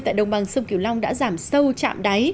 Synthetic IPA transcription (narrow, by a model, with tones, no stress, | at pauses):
t̪a̰ː˧˨jɗə˨˩wŋ͡mɓa˨˩ŋsə˧wŋ͡mki˧˩əwla˧wŋ͡mɗa̰ː˧˥zaː˧˩msə˧wt͡ɕa̰ː˧˨mɗa˨˦j